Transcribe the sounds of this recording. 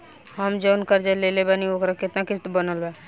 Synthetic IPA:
ɦəmd͡ʒənkəɾd͡ʒalelebənioːkɾakɪt̪nakɪst̪bənəlbɛː

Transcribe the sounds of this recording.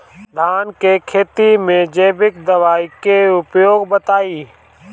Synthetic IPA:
d̪ʱaːnkeːkʰeːt̪imẽd͡ʒeːbɪk̚d̪əʋaːikeʊpjoːɡbət̪aːiː

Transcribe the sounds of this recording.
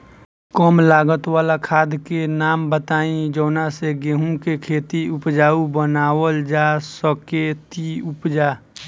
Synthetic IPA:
kɔːmlaːɡət̪waːlakʰaːd̪kenaːmbət̪aːĩd͡ʒəːnaseɡeɦũkekʰeːt̪iʊpd͡ʒaːubənaːwəld͡ʒaːsəket̪iʊpd͡ʒaː

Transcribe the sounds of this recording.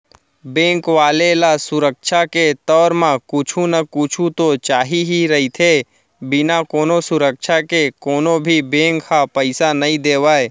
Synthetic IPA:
bẽːŋkʋaːlelasʊɾəkʃaket̪ɔːɾmãkʊt͡ʃʰunəkʊt͡ʃʰũt̪ot͡ʃaːɦiɦiɾɐɦit̪ʰeː | bɪnakoːnosʊɾəkʃʰakekoːnobʱibẽːŋkhapəɪsanɐĩd̪eːʋaːe

